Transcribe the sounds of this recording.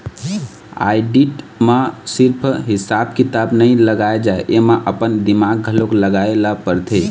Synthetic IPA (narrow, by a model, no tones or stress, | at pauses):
a̰jɖiʈ | masiɾpʰɦisabkit̪abnəjləɡaed͡ʒaeʔemeʔəpənd̪imaɡ̚ɡʱəlokləɡaeləpəɾt̪ʰe